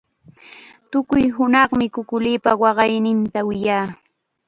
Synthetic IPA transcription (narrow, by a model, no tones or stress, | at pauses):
t̪ʊkʊjɦʊnɑχmɪkʊkʊlɪːpawɑɢɑjnɪnt̪awɪjaː